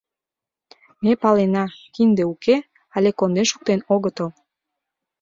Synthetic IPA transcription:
mepɑlenɑkind̪euke | ɑlʲekond̪eʃu̥k̚t̪enoɣət̪əl

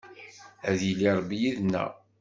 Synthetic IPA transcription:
æðjiliɾˤbijiðnːæ̰

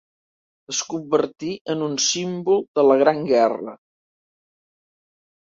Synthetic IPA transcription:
əskumbəɾt̪iʔənunsimbulˠd̪ələɣ̞ɾaŋɡɛrə̰

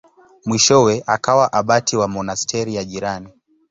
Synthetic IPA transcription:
mwiʃɔwɛʔakawaʔaɓatiwamɔnastʰɛɾijaʄiɾani

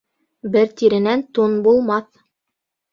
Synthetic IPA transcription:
bɘɾt̪iɾɘ̆nænt̪unbulˠmɑθ

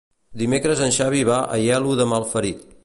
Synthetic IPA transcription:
d̪imekɾəzənʃaβ̞iβaʔə̰jɛluðəmalˠfəɾit̪

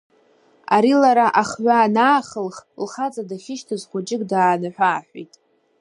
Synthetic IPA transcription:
a̰ɾilaɾaʔaχʕʷaːnaːχəlχlχat͡sʼadaχʲɪʃtʰɨzχʷʊd͡ʒɪkʼdaːnaħʷᶣaːħʷᶣḛjtʼ

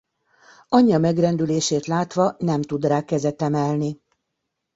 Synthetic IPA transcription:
ɒɲːɒmɛɡrɛnd̪yleːʃeːt̪laːt̪ʋɒnɛmt̪ud̪raːkɛzɛt̪ɛmɛlni

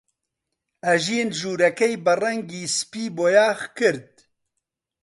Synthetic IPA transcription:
ɛʒenʒuːɾɛkɛjbɨrɛŋɡiːspiːboːjaːxkɨɾd̪̚

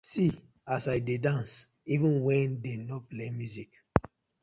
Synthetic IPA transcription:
si | asaɪdedãns | ivə̃nwɛ̃ndenɔplemjuzik

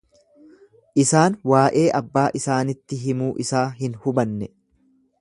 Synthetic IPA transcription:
ʔɪsaːnwaːʔe̞ːʔɐbːaːʔɪsaːnɪt̪ːɪɦɪmuːʔɪsaːɦɪnhʊbɐnːɛ

